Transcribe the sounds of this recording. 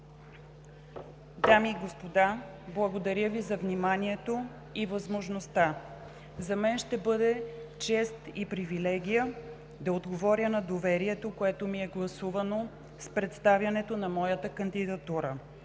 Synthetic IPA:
d̪amiɡospod̪a | blˠɐɡod̪ɐɾʲjəvizɐvnimanʲiɛt̪o | ivɐzmoʒnost̪a | zɐmɛnʃt̪ɛbɤd̪ɛt͡ʃɛst̪ipɾivilɛɡʲijə | d̪ɐod̪ɡovɔɾʲənɐd̪ovɛɾiɛt̪okoɛt̪omiɛɡlˠɐsuvɐno | spɾɛt̪st̪avʲjɐnɛt̪onɐmɔjət̪əkɐnd̪id̪ɐt̪uɾə

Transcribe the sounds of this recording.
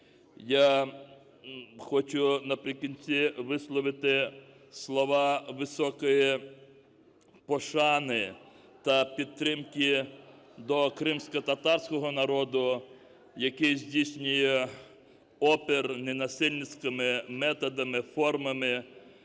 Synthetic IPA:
ja | xɔt͡ʃʊnɐpɾʲɪkinʲt͡sʲiʋɪslˠɔʋɪt̪ɪ | slˠɔʋɑʋɪsɔkɔji | pɔʃɑnɪ | t̪ɐpʲid̪̚t̪ɾɪmkɪ | d̪ɔkɾɪmsʲkɔt̪ɐt̪ɑrsʲkɔɦɔnɐɾɔd̪ʊ | jɐkɪjzʲdʲijsʲnʲʊjɛ | ɔpernenɐsɪlʲnɪt͡sʲkɪmɪmɛt̪ɔd̪ɐmɪfɔrmɐmɪ

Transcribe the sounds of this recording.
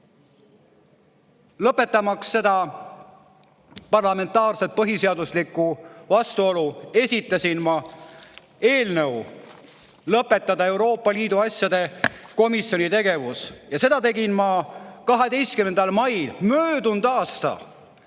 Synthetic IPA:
lɤpːˑe̞t̪ːˑɑmɑksːe̞d̪̥ɑ | pɑrlɑme̞nt̪ːˑɑːrse̞t̪̚pɤɦise̞ɑd̪uslikːuvɑst̪uo̞lue̞sʲit̪ːˑɑsʲinmɑ | e̞ːlnəw | lɤpːˑe̞t̪ːˑɑd̪ɑe̞wɾo̞ːpːˑɑliːd̪uɑsjɑd̪e̞ko̞misjo̞nʲit̪e̞ɡe̞vusjɑse̞d̪ɑt̪e̞ɡinmɑkɑɦe̞d̪e̞jst̪kymend̪ɑlmɑjlmøːd̪̥und̪̥ɑːst̪ɑ̰

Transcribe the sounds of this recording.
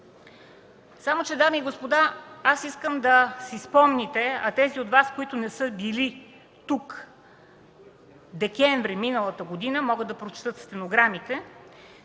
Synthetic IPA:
samot͡ʃɛd̪amiːɡospod̪aasiskəmd̪ɐsispɔmnʲit̪ɛɐt̪ɛziot̪vaskoit̪ʊnɛsɤbili | t̪uk | d̪ɛkʲɛɱvɾiminəlˠət̪əɡod̪inəmɔɡəd̪ɐpɾot͡ʃɛ̥t̪ɤt̪st̪ɛnoɡɾamit̪ɛ

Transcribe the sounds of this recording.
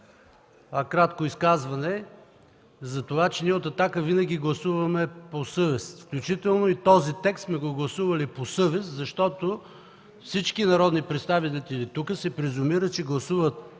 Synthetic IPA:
əkɾat̪koiskazvɐnɛ | zɐt̪ovat͡ʃɛniɛot̪ɐt̪akəvinəɡ̟ʲiɡlˠɐsuvɐmɛposɤvɛsfklʲut͡ʃit̪ɛlˠnoit̪ɔzit̪ɛkssmɛɡoɡlˠɐsuvəliposɤvɛszɐʃt̪ɔt̪o | fsit͡ʃkinɐɾɔd̪nipɾɛt̪st̪avit̪t̪ilit̪ukəsɛpɾɛzʊmiɾət͡ʃɛɡlˠɐsuvət̪̚

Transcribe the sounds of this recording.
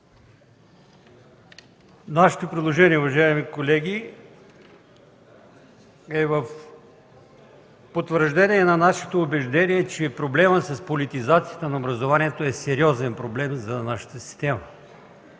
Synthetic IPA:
naʃɛ̥t̪opɾid̪lˠoʒɛniɛuvɐʒaimikolɛɡʲi | ɛvəf | pot̪vəɾʒd̪ɛniɛnɐnaʃɛ̥t̪oːbɛʒd̪ɛniɛt͡ʃɛpɾoblɛməsɐspolit̪izat̪sijət̪ənɐobɾɐzovaniɛt̪oɛsɛɾiɔzɛnpɾoblɛmzɐnaʃə̥t̪əsi̥st̪ɛmə

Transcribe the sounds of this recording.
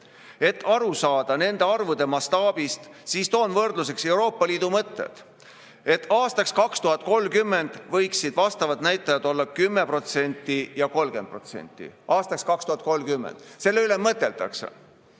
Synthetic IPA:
e̞t̪ːˑɑɾusɑːd̪̥ɑne̞nd̪̥e̞ɑrvud̪̥e̞mɑst̪ɑːb̥ist̪siːst̪o̞ːnvɤrd̪lus̬e̞kse̞wɾo̞ːpːˑɑliːd̪̥umɤt̪ːˑḛt̪ | e̞t̪ːˑɑːst̪ɑkskɑkst̪uɦɑt̪̚ˑko̞lːkymːe̞nd̪̥vɤjksid̪vɑst̪ɑvɑt̪næjt̪ːˑɑjɑd̪o̞lːɑkymːe̞pro̞t̪se̞nʲt̪ːˑijɑko̞lɡe̞nd̪̚pro̞t̪se̞̰nʲt̪ːˑḭʔɑːst̪ɑkskɑkst̪uhɑt̪̚ˑko̞lmkymːḛnd̪̥se̞lːeyle̞mɤt̪ːˑe̞lt̪ɑ̰ksḛ

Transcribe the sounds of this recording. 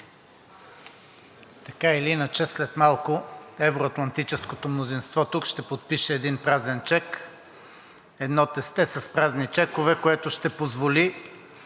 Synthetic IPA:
t̪ɐkailiinət͡ʃɛslɛt̪malˠkʊɛvɾoɐt̪lˠɐnt̪it͡ʃɛskot̪omnozinst̪vɔt̪ukʃt̪ɛpot̪̚piʃɛːd̪inpɾazɛnt͡ʃɛk | ɛd̪nɔt̪ɛst̪ɛsɐspɾaznit͡ʃɛkovɛkoɛt̪ʊʃt̪ɛpozvoli

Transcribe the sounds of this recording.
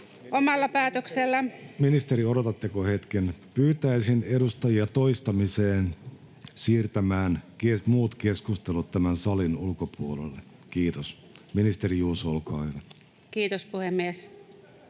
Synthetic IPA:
omɑlːɑpæːt̪økselːæminist̪eɾioɾot̪ɑt̪ːekohet̪kenpyːt̪æisinedust̪ɑjiɑt̪oist̪ɑmiseːn | siːrt̪æmæːnkemuːt̪keskust̪elut̪t̪æmænsɑlinulkopuolḛlːe | kiːt̪os | minist̪eɾijuːsolkɑːhyʋæ | kiːt̪ospuhemːies

